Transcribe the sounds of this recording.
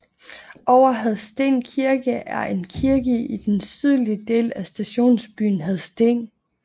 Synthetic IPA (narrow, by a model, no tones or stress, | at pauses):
ʔɒʊɐɦæð̩ˠsd̥e̝̰ːnkʰiɐɡ̥əʔæɐʔe̝nkʰiɐɡ̥əid̥ensyð̞ˠliəd̥e̝̰ːlæsd̥æɕo̝̰ːnsb̥y̰ːn̩ɦæð̞ˠsd̥e̝̰n